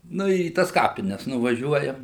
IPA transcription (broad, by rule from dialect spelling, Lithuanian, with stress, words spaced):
ˈnʊ ɪr iː ˈtɐs ˈkɑːpʲɪnʲɛs nʊʋɐˈʒʲuɔjɛm